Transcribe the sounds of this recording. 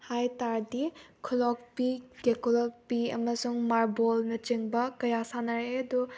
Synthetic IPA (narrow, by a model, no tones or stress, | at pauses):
hajtaɾdikʰulɔk̚piɡekulɔk̚piɐ̰mɐsuŋmaɾbolnɐt͡ʃiŋbɐkɐjasanɐɾeɐdu